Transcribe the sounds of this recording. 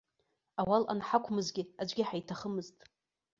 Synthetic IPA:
awalʔa̰nħakʷʰmɨzɡʲɪad͡ʒʷɡʲɪħajtʰaχəmɨztʼ

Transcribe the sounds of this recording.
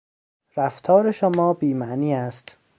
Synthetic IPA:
ɾæft̪ʰɒːɾeʃomɒːbiːmæʔniːæst̪

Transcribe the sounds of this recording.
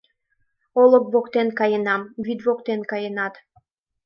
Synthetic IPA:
olək̚βokt̪enkɑjənɑmvid̪βokt̪enkɑjənɑt̪

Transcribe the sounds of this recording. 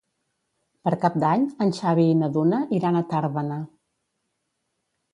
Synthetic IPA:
pəɾkap̚d̪aɲənʲʃaβiːnəðunəʔiɾanət̪aɾβənə

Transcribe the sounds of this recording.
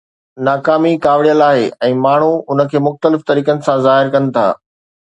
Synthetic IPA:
naːkaːmikaːʋɪɽijəlaːɦeɛ̃ːmaːɳ̤uʊnə̆kʰeːmʊxt̪əlɪft̪ɐɾiːkənɪ̆sãzaːɦɪɾkɐnɪ̆t̪ʰa̰ː

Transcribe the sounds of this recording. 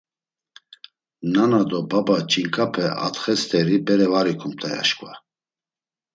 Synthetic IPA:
nanad̪ɔbabat͡ʃʼiŋkʼapʰɛʔa̰t̪χɛst̪ʰɛɾibɛɾɛvaɾikʰum̚t̪ʰʼaja̰ʃkʼva

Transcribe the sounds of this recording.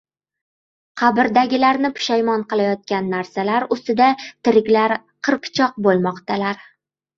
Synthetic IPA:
qʰɑbɪɾd̪aɡʲɪlaɾnɪpʰʊ̥ʃajmɒnqɨlˠajɒt̪̚kʲanːaɾsalaɾʊst̪ɪd̪at̪ʰɪɾɪkʲlaɾ | qʰɨɾpt͡ʃʰɒq̚bolˠmɒqt̪alaɾ

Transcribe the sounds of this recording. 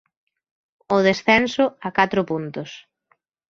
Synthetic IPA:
ʊðesθɛnsʊakat̪ɾʊpunt̪ʊs

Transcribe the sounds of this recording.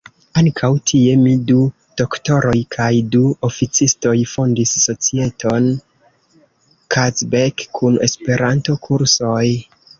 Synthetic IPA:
aŋkʰawtʰie̞midu | d̥o̞kto̞ɾo̞jkʰajduofit͡sisto̞jfo̞ndisːo̞t͡sie̞tʰo̞n | kʰazbekʰːune̞spe̞ɾanto̞kʰuɾso̞j

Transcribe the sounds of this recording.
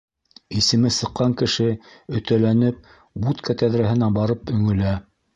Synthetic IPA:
isɘ̆mɘsɤ̆qːɑŋkɘ̆ʃɘɵ̆t̪ælænɘp̚ | but̪kʰæt̪æðɾæɦɘ̆næbɑɾɤpɵ̆ŋɵ̆læ

